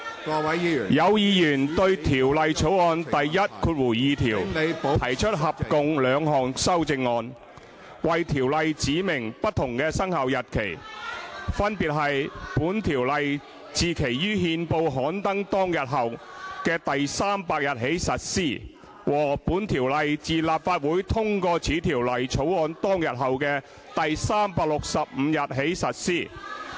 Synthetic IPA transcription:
jɐ˨˧wjiː˧jyː˨˩nt̪ɵ˧ɥt̪ʰiː˨˩wlɐ˨jt͡sʰo˨˥wɔː˧nt̪ɐ˨jjɐ˥t̚kʰuː˧t̚wuː˨˩jiː˨˧t̪ʰiː˨˩wt̪ʰɐ˨˩jt͡ʃʰɵ˥t̚ɦɐ˨p̚kʊ˨˧ŋlœː˨˧ŋɦɔː˨˩ŋsɐ˥wt͡sɪ˧ŋːɔː˧n | wɐ˨jt̪ʰiː˨˩wlɐ˨˧jt͡siː˨˥mɪ˨˩ŋpɐ˥t̚t̪ʰːʊ˨˩ŋkɛː˧sɐ˥ŋhɐ˨wjɐ˨t̚kʰe˨˩j | fɐ˥npiː˨t̚ɦɐ˨jpuː˨˥nt̪ʰiː˨˩wlɐ˨j | t͡siː˨kʰe˨˩jjyː˥ɦiː˧npo˧wɦɔː˨˥nt̪ɐ˥ŋt̪ɔː˥ŋjɐ˨t̚ɦɐ˨w | kɛː˧t̪ɐ˨jsaː˥mpaː˧k̚jɐ˨t̚ɦe˨˥jsɐ˨t̚siː˥˩ | wɔː˨˩puː˨˥nt̪ʰiː˨˩wlɐ˨jt͡siː˨laː˨p̚faː˧t̚wuː˨˥jt̪ʰʊ˥ŋkɔː˧t͡sʰiː˨˥t̪ʰiː˨˩wlɐ˨jt͡sʰo˨˥wɔː˨˧nt̪ɔː˥ŋjɐ˨t̚ɦɐ˨wkɛː˧ | t̪ɐ˨jsaː˥mpaː˧k̚lʊ˨k̚sɐ˨p̚m̩ː˨˧jɐ˨t̚ɦe˨˥jsɐ˨t̚siː˥˩

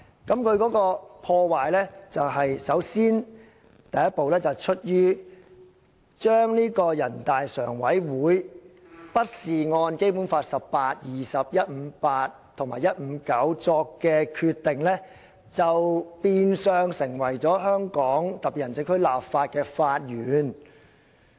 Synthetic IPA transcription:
kɐ˨˥mkʰɵ˨˧ɥkɔː˨˥kɔː˧pʰɔː˧waː˨˩jlɛː˥t͡sɐ˨wɦɐ˨jsɐ˨˥wsiː˥n | t̪ɐ˨jɐ˥t̚po˨wlɛː˥t͡sɐ˨˩wt͡ʃʰɵ˥t̚jyː˥ | t͡ʃœː˥ŋniː˥kɔː˧jɐ˨˩nt̪aː˨jsœː˨˩ŋwɐ˨˥jwuː˨˥j | pɐ˥t̚siː˨ŋɔː˧nke˥jpuː˨˥nfaː˧t̚sɐ˨pːaː˧t̚jiː˨˩sɐ˨p̚jɐ˥t̚m̩ː˨˧˦paː˧t̚t̪ʰʊ˨˩ŋmaː˨˩jɐ˥t̚m̩˨˧˥kɐ˨˥wt͡sɔː˧kːɛː˧kʰy˧t̪ːɪ˨ŋlɛː˥ | t͡sɐ˨wpiː˧nsœː˨˧ŋsɪ˨˩ŋwɐ˨˩jt͡sɔː˨˥hœː˥ŋkɔː˨˥ŋt̪ɐ˨p̚piː˨˩jɐ˨˩nt͡sɪ˧˥ŋkʰɵ˥laː˨pfaː˧t̚kɛː˧faː˧t̚jyː˨n

